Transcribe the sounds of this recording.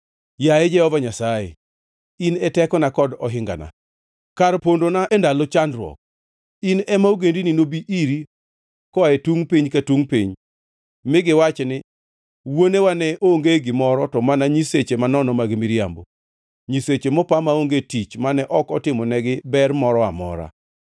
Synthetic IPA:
jajɛd͡ʒɛhɔvaɲasajḛ | inɛtɛkɔnakɔdɔɦɪŋɡa̰na̰ | kaɾpondonaʔɛndalɔt͡ʃandɾwɔ̰k̚ | inɛmaoɡendininobiʔiɾi | kɔaetuŋpiɲkatuŋpḭɲ | mɪɡɪwat͡ʃɛnɪ | wonewanɛʔoŋɡeɡɪmɔɾɔtɔmanaɲiset͡ʃemanɔnɔmaɡmiɾjambo̰ | ɲiset͡ʃemɔpamaoŋɡetit͡ʃmanɛʔɔkɔtɪmɔnɛɡɪbɛrmɔɾɔamɔ̰ɾa̰

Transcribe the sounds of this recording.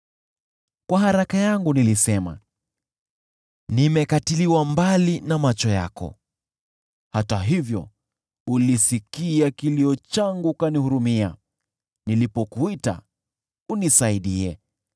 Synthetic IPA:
kwaɦaɾakajaŋɡunilisɛma̰ | nimɛkatiliwambalinamat͡ʃɔja̰kɔ̰ | hataɦivjɔ̰ | ulisikiakiliɔt͡ʃaŋɡukanihuɾumia̰ | nilipɔkuita̰ | unisaiɗiɛ̰

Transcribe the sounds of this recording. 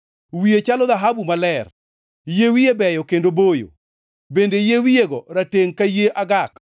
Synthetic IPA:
wiet͡ʃalɔðaɦabumalɛr | jewiebɛjɔkendobojo̰ | bendejewijeɡɔɾateŋkajeʔaɡak

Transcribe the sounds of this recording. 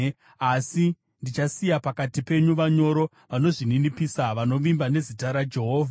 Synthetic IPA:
asi | ndit͡ʃasijapakatipe̞ɲuʋaɲo̞ɾo̞ | ʋano̞ʐininipisaʋano̞ʋimbane̞zitaɾad͡ʒe̞ɦoːvʱa

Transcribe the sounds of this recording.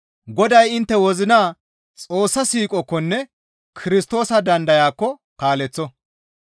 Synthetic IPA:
ɡɔd̪ɐjɪnt̪ːɛwɔzɪnaː | t͡sʼo̞ːsːɐsiːkʼɔkːɔnːɛ | kʰɪɾɪst̪o̞ːsɐd̪ɐnd̪ɐjaːkːɔ | kaːlɛt͡sːɔ

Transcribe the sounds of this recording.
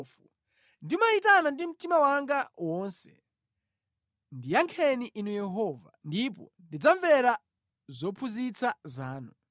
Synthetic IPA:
fu | ndimaitanandim̩timawaŋɡawɔnsɛ | ndijaŋkʰɛniʔinujɛɦɔva̰ndipɔ̰ndid͡zaɱvɛɾa | zɔpʰuzit͡sʰazaːnu

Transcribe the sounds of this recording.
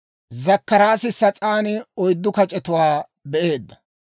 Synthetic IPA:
zɐkːɐɾaːsɪsɐt͡sʼaːnɪɔjd̪ːʊkɐt͡ʃʼɛt̪ʊwaː | bɛʔe̞ːd̪ːɐ

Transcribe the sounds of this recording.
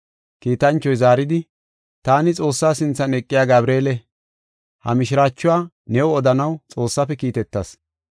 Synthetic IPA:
kiːt̪ɐnt͡ʃːɔjzaːɾɪd̪ɪ | t̪aːnɪt͡sʼo̞ːsːaːsɪnt͡sːɐnɛkʼːɪjaːɡɐbɾe̞ːlɛ | hɐ̰mɪʃɪɾaːt͡ʃːʊwaː | nɛɔɔd̪ɐnɐwt͡sʼo̞ːsːɐpːɛkiːt̪ɛt̪ːɐs

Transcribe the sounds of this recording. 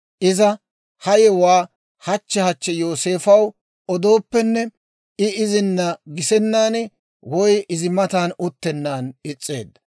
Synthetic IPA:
ʔɪzɐ | hɐjɛwaː | hɐt͡ʃːɛhɐt͡ʃːɛjo̞ːse̞ːfɐw | ɔd̪o̞ːpːɛnːɛ | ɪɪzɪnːɐɡɪsɛnːaːn | wɔjʔɪzɪmɐt̪aːnʊt̪ːɛnːaːnɪt͡sʼːe̞̰ːd̪ːɐ

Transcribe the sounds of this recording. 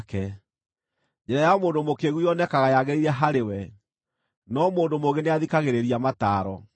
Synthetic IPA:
kɛ | d͡ʒɛɾajamoːndomokeɣuiɔnɛkaɣajaɣeɾiɾɛɦaɾewɛ | nɔmoːndomoɣeneaðikaɣeɾeɾiamataːɾɔ

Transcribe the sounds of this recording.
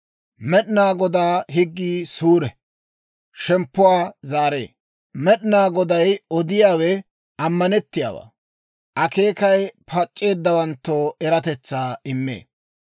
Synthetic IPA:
mɛɗnaːɡɔd̪aːɦɪɡːiːsuːɾɛ | ʃɛmpːʊwaːzaːɾe̞̰ː | mɛɗɪnaːɡɔd̪ɐjɔd̪ɪjaːwɛ | ɐmːɐnɛt̪ːɪja̰ːwa̰ː | ʔɐke̞ːkɐjpʰɐt͡ʃʼːe̞ːd̪ːɐwɐnt̪ːoːɛɾɐt̪ɛt͡sːaːɪmːḛː

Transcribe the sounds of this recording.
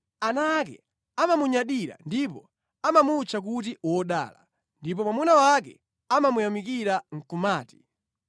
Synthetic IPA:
anakɛ̰ | amamuɲaɗiɾa̰ndipɔ | amamut͡ʃʰak̬ut̬iwɔɗa̰ːla̰ | ndip̬ɔmwamunawak̬ɛ̰ | amamujamikiɾaŋ̩kumaːti̥

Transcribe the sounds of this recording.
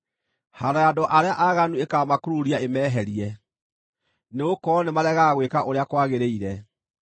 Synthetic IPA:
haɾajadoʔaɾeaʔaɣanuekamakuɾuɾiaemɛːɦɛɾiɛ | neokɔnemaɾɛɣaɣwekaʔoɾeakwaɣeɾeiɾɛ

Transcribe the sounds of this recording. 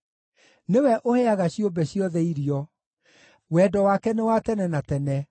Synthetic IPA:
newɛʔoheaɣaɕiombɛɕjɔðɛiɾiɔ | wɛːdɔwakɛnewatɛnɛnatɛnɛ

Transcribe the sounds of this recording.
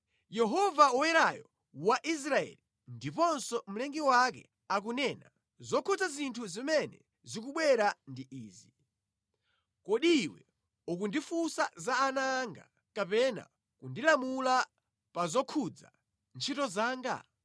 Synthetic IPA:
jɛɦɔvaɔwɛɾajɔ | waʔis̬ɾaɛ̰li | ndipɔnsɔm̩lɛŋɡiwak̬ɛ̰ | ak̬unɛːna | zɔkʰutazintʰuzimɛnɛ̰ | zik̬uɓwɛɾandiʔiːzi | kɔɗiːwɛ̰ | ukundifusazaːnaːŋɡa | kapɛna̰ | kundilamula | pazɔkʰud͡za̰ | nt͡ʃʰitɔzaːŋɡa̰

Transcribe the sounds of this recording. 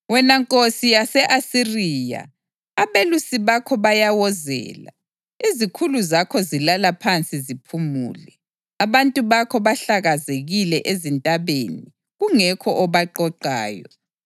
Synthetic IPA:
wɛnaŋkʼosijasɛʔasiriːja̰ | aβelusiβakʰɔβajawɔzɛ̰ːla̰ | izikʰuluzakʰɔzilalapʰant͡sʼizipʰumṵːlɛ | aβantʼuβakʰɔβaɬaɣazeɣilɛʔezintʼaβḛni | ɣuŋɛkʰɔʔɔβaǃɔǃa̰ːjɔ̰

